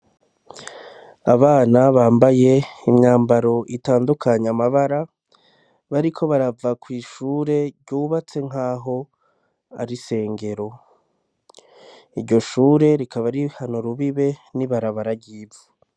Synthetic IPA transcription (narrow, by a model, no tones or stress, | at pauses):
aβaːnaβaːmbaje̞imɲaːmbaɾo̞ʔitaːndukʰaɲamaβaɾa | βaɾikʰo̞βaɾavakwiːʃuːɾe̞ɾɟuːβat͡se̞ŋ̥aːɦo̞ | a̰ɾise̞ːŋɡe̞ɾo̞ | iɾɟo̞ʃuːɾe̞ɾikʰaβaɾihanoɾuβiβe̞niβaɾaβaɾaɟiːvu